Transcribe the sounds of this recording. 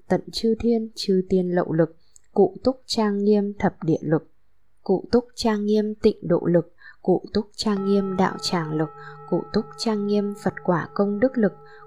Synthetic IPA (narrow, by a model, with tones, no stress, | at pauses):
t̪ə̰˧˨nt͡ɕɨ˧t̪ʰi˧ənt͡ɕɨ˧t̪i˧ənlə̰˧˨wlɨ˨˩k̚ | kṵ˧˨t̪ʊ˦˥k͡p̚t͡ɕaː˧ŋːi˧əmt̪ʰə˨˩p̚ɗḭ˧˨əlɨ˨˩k̚ | kṵ˧˨t̪ʊ˦˥k͡p̚t͡ɕaː˧ŋːi˧əmt̪ḭ̈˧˨ŋ̟ɗo̰˧˨lɨ˨˩k̚kṵ˧˨t̪ʊ˦˥k͡p̚t͡ɕaː˧ŋːi˧əmɗa̰ː˧˨wt͡ɕaː˧˩ŋlɨ˨˩k̚kṵ˧˨t̪ʊ˦˥k͡p̚t͡ɕaː˧ŋːi˧əmfə˨˩t̚kwaː˧˩kə˧wŋ͡mɗɨ˦˥k̚lɨ˨˩k̚